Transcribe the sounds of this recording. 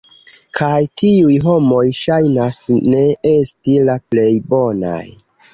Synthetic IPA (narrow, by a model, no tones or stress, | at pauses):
kʰajtiujɦo̞mo̞jʃajnasne̞estilaple̞jbo̞na̰j